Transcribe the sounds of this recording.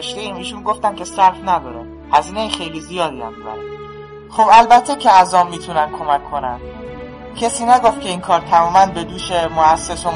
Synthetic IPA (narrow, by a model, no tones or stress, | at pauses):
ʃt̪eimiːʃunɡo̞ft̪æncʰe̞sæɾfnæd̪ɒːɾḛ | hæziːnejxejliːzijɒːd̪iæ̰md̪ud̪æ̰n | χobælbæt̪ʰːecʰeæzɒːmːiːt̪ʰunænkʰo̞mækʰːo̞næ̰nd̪̥ | cʰesiːnæɡo̞ft̪kcʰe̞iːnkʰɒːɾt̪ʰæmuːmænbe̞d̪uːʃemoæsːe̞som